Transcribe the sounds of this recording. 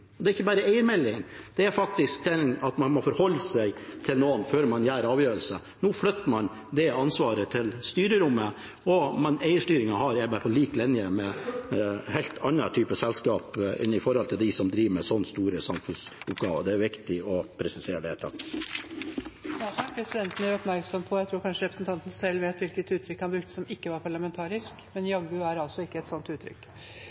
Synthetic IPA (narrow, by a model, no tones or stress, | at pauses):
ɔd̪ɛæɾɪçːəbæːɾəæɪəɾmɛlːɪŋnd̪̥ɛæɾfɑk̚t̪ɪsk̚d̪ɛnɑt̪mɑnmɔfɔɾhɔlːəsæɪt̪ʰɪlnoːənføːɾmɑnjæːɾɑːʋjøːɾəl̩sə | nuːflœt̪ːəmɑn | d̪ɛɑnsʋɑːɾət̪ʰɪlst̪yːɾəɾʊmːə | ɔmɑnæɪəʂʈyːɾɪŋɑhɑɾæbæːɾpʰɔliːklɪnjəmɛ | hɛlt̪ʰɑnːɑt̪ʰyːpəsɛlskɑːpɪ̰nɪfɔɾhɔlt̪ʰɪld̪ɪsɔmd̪ɾiːʋəmɛsɔnːst̪uːɾəsɑmfʉnsʊpɡɑːʋəd̪ɛæɾʋɪkt̪ɪɔpʰɾɛsɪseːɾəɖ̪ɛheːlt̪ʰɑ̰t̪ː | nɑsɔpʰɾɛsɪd̪ɛnt̪ən̩æɾɔpmæɾksɔmpʰɔjæɪt̪ʰɾuːɾkʰɑnʂəɾɛpɾəsnt̪ʰɑnt̪n̩sɛlːʋeːt̪ʋɪlkət̪ʉːt̪ʰɾʏkːhɑnbɾʉkt̪ə̥sɔmɪkːəʋɑɾpʰɑɭɑmɛnt̪ʰɑːɾɪskmɛnjɑɡːʉæɾɑlsɔɪkːəɛt̪sɔnt̪ʉːt̪ʰɾʏ̰kː